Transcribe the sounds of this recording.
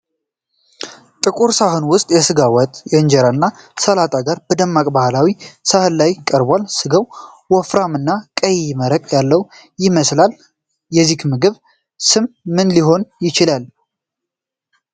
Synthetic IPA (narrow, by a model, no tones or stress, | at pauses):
t̪ʼɨkʼuɾsahonwʊst̪ʼjɛsɨɡawɔt̪ʼjɛɨɲd͡ʒɛɾanːasəlat̪ʼaɡaɾbəd̪əmːakʼbahlawisahɨlːajkʼəɾbalsɨɡəw | wɔfɾamɨnːakʼəjməɾəkʼjalːəw | jɪməslal | jɛzːikmɨɡɨβ | sɨmːɨnliɦo̞njɪt͡ʃɪlal